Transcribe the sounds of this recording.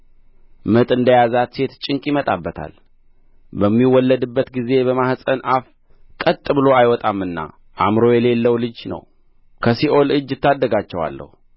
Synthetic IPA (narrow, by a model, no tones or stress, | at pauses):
mɨt̪ʼɨnd̪əjazat̪se̞t̪t͡ʃʼɪŋkʼimət̪ʼabːət̪ʰa̰l | bəmːiwːɔlːəd̪ɨbːət̪ɡize̞bəmahsʼənʔaf | kʼət̪ʼːɨbɨlo̞ajwɔt̪ʼamːɨnːa̰ | ʔamɾo̞jɛle̞lːəwlɨd͡ʒnə̰w | kʰəsiʔo̞lɨd͡ʒːɪt̪ːad̪ːəɡat͡ʃːɛwa̰lːə̰hu